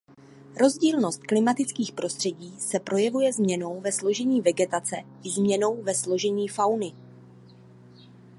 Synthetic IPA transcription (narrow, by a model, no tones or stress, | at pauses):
ɾo̞zɟiːlno̞st̪̚klɪmat̪ɪt͡skiːxpɾo̞st̪r̥ɛɟiːsɛpɾʔo̞jɛvujɛzmɲɛno̞wvɛslo̞ʒɛɲiːvɛɡɛt̪at͡sɛ | ɪzmɲɛno̞wvɛslo̞ʒɛɲiːfawnɪ